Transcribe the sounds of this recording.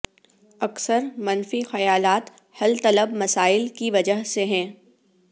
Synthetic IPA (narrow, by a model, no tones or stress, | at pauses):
ɐksəɾmɐnfixɐjaːlaːt̪ | hɐlt̪ɐləbmɐsaːɪlkiʋɐd͡ʒəɦseɦɛ̃ː